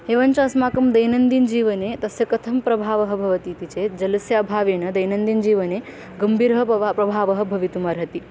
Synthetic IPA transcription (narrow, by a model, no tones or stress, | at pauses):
ɦeːʋɐnt͡ʃɐɐsmaːkɐmd̪ɐjnɐnd̪ind͡ʒiːʋɐnet̪ɐsjɐkɐt̪ʰɐmpɾɐbʱaːʋɐɦɐ̆bʱɐʋɐt̪it̪it͡ʃʰed͡ʒɐlɐsjɐɐbʱaːʋeːnɐd̪ɐjnɐnd̪ind͡ʒiːʋɐne | ɡɐmbʱiːɾɦɐpɾɐbʱaːʋɐɦɐ̆bʱɐʋit̪umɐɾɦɐt̪i